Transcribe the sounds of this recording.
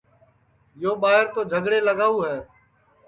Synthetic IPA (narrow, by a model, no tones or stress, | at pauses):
joːɓaːɪɾt̪oːd͡ʒʱəɡɽeːləɡaːuːɦɛː